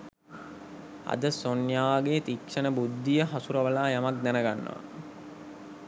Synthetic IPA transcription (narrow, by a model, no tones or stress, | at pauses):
a̰d̪əsonjaːɡeːt̪ikʃənəbud̪ːijəɦasuɾəʋəlaːjamak̚d̪ænəɡanːə̰ʋa̰